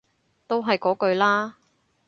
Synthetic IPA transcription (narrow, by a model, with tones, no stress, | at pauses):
t̪o˥wɦɐ˨jkɔː˨˥kɵ˧ɥlaː˥